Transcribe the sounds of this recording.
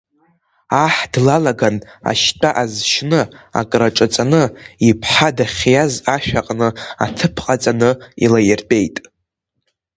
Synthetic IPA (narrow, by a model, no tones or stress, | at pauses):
aħdlalaɡana̰ʃtʼaʔazʃnɨa̰kʼraʈ͡ʂʼat͡sʼanɨipʰħadaχʲjazaʃᶣaqʼnɨa̰tʰɨpʰqʼat͡sʼanɨḭlajerpʼe̞jtʼ